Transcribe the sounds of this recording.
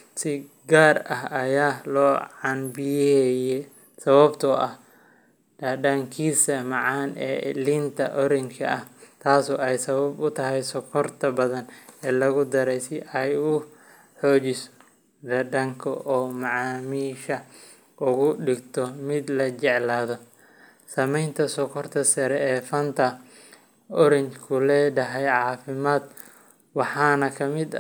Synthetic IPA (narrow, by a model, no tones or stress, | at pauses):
sɪ | ɡaːrɐɦɐjaːlɔːʕɑnbɪjɛjɛ | sɐβɐbt̪ʰɔʔɐh | d̥ɐɖɐŋkʰiːsɐmɑʕɑːnɛ̰ːlint̪ʰɐʔɔɾɪŋkʰɐ̰ʔɐht̪ʰaːsɔːɛjsɐβɐbʊt̪ʰɐɦɛjsɔkʰɔrt̪ʰɐbɐðɐnɛːlɐɣʊd̪ɐɾɛjsɪʔɛjʊ | ħɔːt͡ʃɪs | d̪ɐɖɐŋkʰɔʔɔːmɑʕɑːmiːʃɐ | ʔʊɣʊɖɪɡt̪ʰɔmɪd̪lɐt͡ʃɛʕlaːðɔ | sɐmɛjnt̪ʰɐsɔkʰɔrt̪ʰɐsɐɾɛɛːfɐnt̪ʰɐ | ɔɾɪŋkʰʊlɛːɖɐɦɛjʕɑːfɪmaːd̪ | wɑħɑːnɐkʰɐmɪd̪